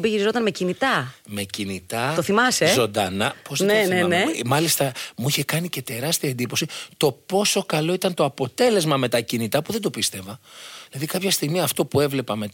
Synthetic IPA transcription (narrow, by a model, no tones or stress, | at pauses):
biʝiɾizo̞t̪ɐnme̞cinit̪ɐme̞cinit̪ɐt̪oθimɐsezo̞nd̪ɐnɐpoznenenemɐlist̪ɐmuiçe̞kɐnice̞t̪e̞ɾɐst̪iɐend̪ipo̞sit̪o̞po̞so̞kɐlo̞it̪ɐnt̪o̞ɐpo̞t̪e̞le̞zmɐme̞t̪ɐcinit̪ɐpuðed̪o̞pist̪e̞vɐðilɐðikɐpçɐst̪iɣmiɐft̪o̞pue̞vle̞pɐme̞